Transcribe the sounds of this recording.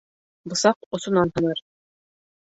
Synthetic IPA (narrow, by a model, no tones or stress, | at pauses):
bɤ̆sɑqŏsŏnɑnhɤ̆nɤɾ